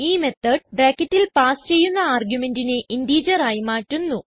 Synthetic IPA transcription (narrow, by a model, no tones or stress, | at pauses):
iːme̞t̪ːɐɖ̚baːkːɐtːilpaːst͡ɕe̞jːunːɐaːrɡjume̞ndineindiːd͡ʑɐraːjimaːtːunːu